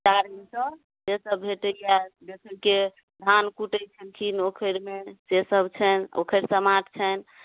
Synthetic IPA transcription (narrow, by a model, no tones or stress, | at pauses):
t͡ʃaɾinsə̃ | d͡ʒesəbbʱeʈəjad̪ekʰəlke | d̪ʱankuʈəjt͡ʃʰəlkʰinokʰəɾmed͡ʒesəbt͡ʃʰɛno̰kʰəɾsəmaʈʰt͡ʃʰən